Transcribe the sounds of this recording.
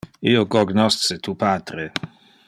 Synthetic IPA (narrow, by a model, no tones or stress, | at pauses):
iːoɡoɡnɔst̪t͡set̪ʰuːpaːt̪ɾe